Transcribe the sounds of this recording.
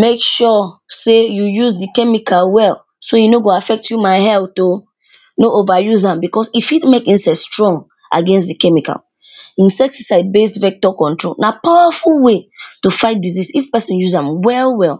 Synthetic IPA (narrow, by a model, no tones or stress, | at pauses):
mekʃɔsejujuzdikɛmikʰalwɛl | soinoɡoafɛk̚tjumaɪhɛlo | noʔovajuzãmbikɔsifitmekĩnsaɪtstɹɔ̃ŋɡ | ʔa̰ɡɛ̃ns̬tdikɛmika̰l | ĩnsɛk̚tisaɪd̚bestvɛk̚tɔkɔ̃ntɹolnapawafulwetufaɪt̚dizisifpɛsĩnjuzãmwɛlwɛlˠ